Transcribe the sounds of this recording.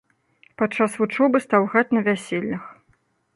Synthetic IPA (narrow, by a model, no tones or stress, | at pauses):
pat͡ʂːasvut͡ʂɔbɨst̪awɣat͡sʲnɐvʲasʲelʲːnɐx